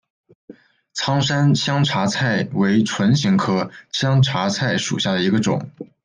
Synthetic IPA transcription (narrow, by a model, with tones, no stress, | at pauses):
t͡sʰɑ˥ŋʂa˥nɕjɑ˥ŋʈ͡ʂʰa˧˥t͡sʰa˥˩ɪwe˧˥ɪʈ͡ʂʰwə˧˥nɕi˧˥ŋkʰɤ˥ɕjɑ˥ŋʈ͡ʂʰa˧˥t͡sʰa˥˩ɪʂṵ˨˩ɕja˥˩d̪ə˩i˧˥ɡə˧ʈ͡ʂʊ̰˨˩˦ŋ